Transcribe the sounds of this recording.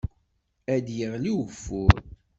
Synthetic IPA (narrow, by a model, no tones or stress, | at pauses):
æd̪jəʁliwəfːʊɾ